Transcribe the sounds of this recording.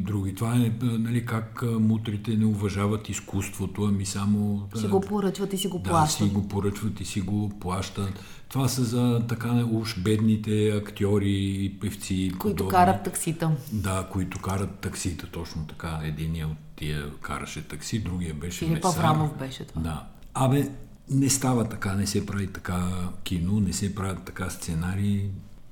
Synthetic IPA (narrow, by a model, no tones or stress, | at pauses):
d̪ɾuɡ̟ʲit̪ovaɛnɐlikakmut̪ɾit̪ɛnɛʊvɐʒavɐt̪iskust̪vot̪oɐmisamosiɡopoɾət͡ʃvɐt̪isiɡod̪lˠaʃtsiɡopoɾət͡ʃvət̪isiɡoplˠaʃt̪ət̪ | t̪ːovasɐzɐt̪ɐkanɐuʃbɛd̪nit̪ɛɐkt̪ʲiɔɾiːpɛft̪sipoid̪ʊkaɾət̪ːɐksit̪əd̪akoit̪ʊkaɾət̪ːɐksit̪ət̪ɔt͡ʃnot̪ɐ̥kaɛd̪iniəot̪ːiəkʰa̰ɾɐ̰ʃɛt̪ɐksid̪ɾuɡijəbɛʃɛimliɛpɐvamofbɛʃɛt̪d̪a | ɐmɛ | nɛst̪avɐt̪ɐkanɛsɛpɾavit̪ɐ̥kakʲinonɛsɛpɾavʲət̪ːɐkast̪sɛnaɾiː